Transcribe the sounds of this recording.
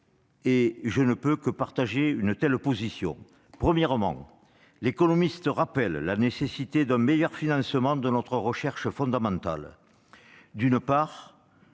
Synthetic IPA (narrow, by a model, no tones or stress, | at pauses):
eʒənəpøkəpaʁt̪aʒeynət̪ɛlpozisjɔ̰̃ | pχəmjɛʁəmɑ̰̃ | lekɔnɔmist̪əʁapɛllanesesit̪ed̪ɛ̃mejœʁfinɑ̃səmɑ̃d̪ənɔt̪χəʁəʃɛʁʃəfɔ̃d̪amɑ̃t̪a̰l | d̪ynəpaʁ